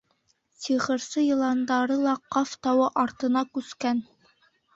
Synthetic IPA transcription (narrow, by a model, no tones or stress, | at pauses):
siʁɤ̆ɾsɤjɤ̆lˠɑnd̪ɑɾɤlˠɑqɑft̪ɑwɤʔɑɾt̪ɤ̆nɑkʉskæn